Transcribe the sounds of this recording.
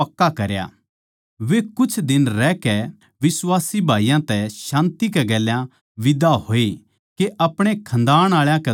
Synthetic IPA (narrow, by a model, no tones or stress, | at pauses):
ɐkːakɐɾja̰ː | ʋekʊt͡ʃʰd̪ɪnɾɛːkɛ | ʋɪswaːsibʱaːijãt̪ɛʃãːnt̪ikɛɡɛːljã | ʋɪd̪aɦoːe | keʔɐpɽ̃ekʰɐ̃nd̪aːɽ̃aːɭjãkɛ